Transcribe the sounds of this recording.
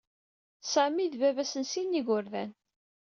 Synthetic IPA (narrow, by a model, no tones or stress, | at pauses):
sæmiðvævæsənsinːiɣʊɾðæn